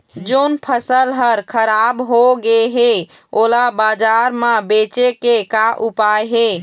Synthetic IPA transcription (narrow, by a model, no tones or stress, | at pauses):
d͡ʒonpʰəsəlɦəɾkʰəɾabɦoɡeɦe | olabad͡ʒaɾmabet͡ʃekekaʔupajɦe